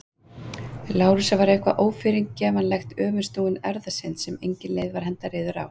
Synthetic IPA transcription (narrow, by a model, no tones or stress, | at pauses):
laːwɾʏsavaɾejhkva̰ʔoːwfɪːɾiŋkcɛːmanlɛxt̪œːmɪnst̪uːɪnɛɾðasɪnsɛmejɲcɪnleːjðvaɾ̥ɦɛnt̪aɾɪːðʏɾa̰w